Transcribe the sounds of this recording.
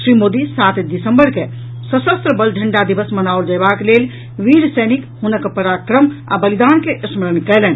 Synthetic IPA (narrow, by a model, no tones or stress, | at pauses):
sɾimod̪isat̪d̪isəmbəɾke | səsəst̪ɾəbəlɖʱəɳɖad̪ibəsmənaold͡ʒabaklel | ʋiɾsənikhunəkpəɾakɾəma̰bəlid̪ankeʔəsməɾənkɛlɛn